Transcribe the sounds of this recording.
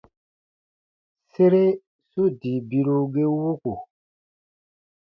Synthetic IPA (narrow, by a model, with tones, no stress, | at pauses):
se˦ɾe˦ | su˦di˨bi˦ɾu˦ɡe˦wu˦ku˨